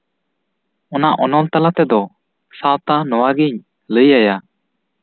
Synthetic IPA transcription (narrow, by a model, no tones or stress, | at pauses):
ɔnaʔɔnɔlt̪alat̪ɛd̪ɔ | sawt̪anɔwaɡiɲ | ləjaja